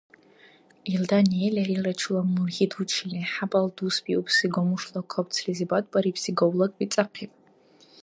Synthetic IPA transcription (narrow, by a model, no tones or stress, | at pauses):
ildanijelʲarirat͡ʃʰulamurɣʲidut͡ʃʰilʲiħabʼaldusbʼiʔupʰsiɡʷomuʂlˠakʷʰapt͡sʰrizibadʼpʼaɾipsiɡowlˠɐkʼit͡sʼaqʰipʼ